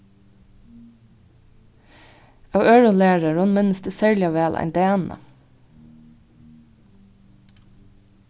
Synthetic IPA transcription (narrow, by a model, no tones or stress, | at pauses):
ɑːʋøːɹʊnleːɹəɹʊnmɪnəsd̪eːsæːɹlɪɑʋæːlʔæ̰ɪnd̪ɛæːnə̰